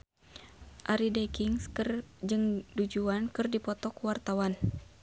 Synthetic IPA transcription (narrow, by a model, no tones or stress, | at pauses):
ʔaɾidɛkiŋskɨrd͡ʒɨŋdud͡ʒuankɨrdipɔt̪ɔkwart̪awan